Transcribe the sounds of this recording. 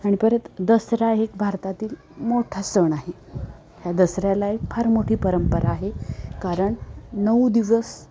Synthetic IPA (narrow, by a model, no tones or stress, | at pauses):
aɽ̃ipəɾət̪d̪əsɾaɦekbʱaɾt̪at̪iːl | moʈʰast̪əɳaɦe | ɦjad̪əsɾjalaek̚pʰaɾmoʈʰiːpəɾəmpəɾʔaːɦekaɾəɳnəwd̪iʋəs